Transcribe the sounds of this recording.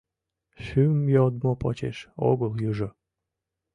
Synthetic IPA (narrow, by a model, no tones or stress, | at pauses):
ʃymjod̪̚mopot͡ɕḛʃo̰ɣəljuʒo